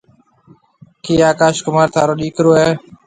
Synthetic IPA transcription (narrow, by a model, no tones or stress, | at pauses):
kiːaːkaːʃkʊmaːɾt̪ʰaːɾoːɗiːkɾoːeː